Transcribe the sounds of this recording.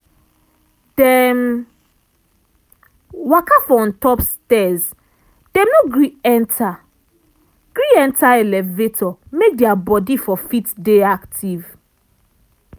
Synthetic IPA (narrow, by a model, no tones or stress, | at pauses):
d̥ɛm | wakafɔɔ̃ntɔpstɛz | d̥ɛ̃mnoɡɹiɛ̃ntʰa | ɡ̥ɹiɛ̃ntʰaelɛvetʰɔmek̚dɛabɔdifɔfitdeaktʰiv